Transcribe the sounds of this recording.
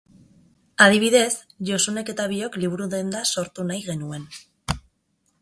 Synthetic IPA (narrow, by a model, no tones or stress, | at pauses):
að̞iβ̞iðe̞s | ʝo̞sune̞ke̞t̪aβ̞io̞kliβ̞uɾuðe̞nd̪aso̞ɾt̪unajɣe̞nue̞n